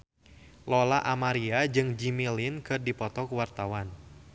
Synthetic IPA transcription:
lɔlaʔamaɾiad͡ʒɨŋd͡ʒimilinkɨrdipɔt̪ɔkuwart̪awan

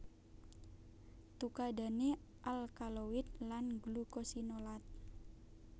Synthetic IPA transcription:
t̪ukada̤neʔalkalowɪt̪̚lanɡlukosinolat̪̚

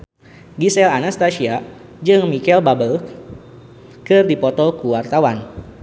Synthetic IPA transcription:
ɡisɛlanast̪asia | d͡ʒɨŋmikɛlbabəl | kɨrdipɔt̪ɔkuwart̪awan

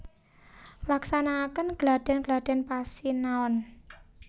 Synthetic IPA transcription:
laksanakənɡ̥lad̥ɛ̤nɡ̥lad̥ɛ̤npasinaɔn

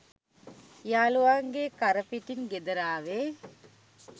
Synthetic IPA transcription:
jaːluaŋɡekaɾəpiʈinɡed̪əɾaːʋe

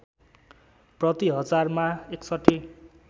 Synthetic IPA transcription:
prʌt̪iɦʌd͡zarmaeksʌʈʰːi

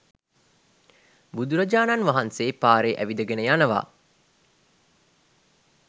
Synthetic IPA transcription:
bud̪uɾɐd͡ʒaːnanʋaɦanseːpaːɾeʔæʋid̪əɡenəjanəʋa̰ː

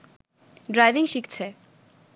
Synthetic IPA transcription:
ɖɾajviŋʃikt͡ɕʰe

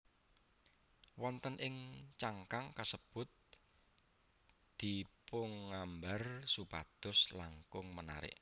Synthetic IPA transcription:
wɔnt̪ənʔɪŋt͡ʃaŋkaŋkasəb̥ʊ̤t̪̚ | d̪̥ipʊŋːambarsupa̰d̪̥ʊslaŋkʊŋməna̰ɾɪ̰ʔ

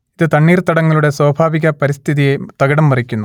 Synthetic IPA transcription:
iðɨt̪ɐɳːiːrt̪ɐɽɐŋːɐɭuɽe̞swɐːbʱaːʋiɣɐpɐɾist̪ʰiðijet̪ɐɡɐɽɐmːɐrikʲːunːu

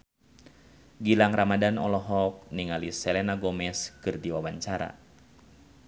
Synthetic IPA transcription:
ɡilaŋramadanɔlɔɦɔk̚niŋalisɛlɛnaɡɔmɛskɨrdiwawaɲt͡ʃaɾa̰

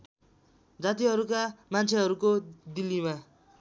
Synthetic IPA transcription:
d͡zat̪iɦʌɾukamant͡sʰeɦʌɾukod̪ilːima

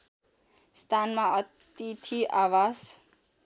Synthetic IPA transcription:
st̪ʰanmaʌt̪ | it̪ʰiʔawas

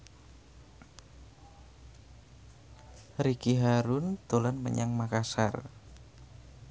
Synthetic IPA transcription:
rikiɦaɾʊnt̪olanmə̰ɲaŋmakasa̰r

